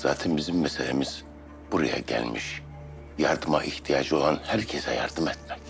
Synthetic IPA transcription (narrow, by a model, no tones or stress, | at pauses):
z̥a̰ːt̪ʰɛnbizimːɛselʲemiz̥ | b̥uɾa̰ja̰ɟæ̰lʲmiʃ | jaɾd̪ɯmaʔiht̪ʰijaːd͡ʒɯo̞lˠanhæɾcʰesɛjaɾd̪ɯmɛt̪mɛc